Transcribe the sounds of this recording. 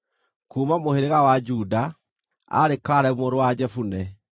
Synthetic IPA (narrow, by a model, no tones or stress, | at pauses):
kuːmamoheɾeɣawad͡ʒuda | a̰ɾekaɾɛomoɾowad͡ʒɛfunɛ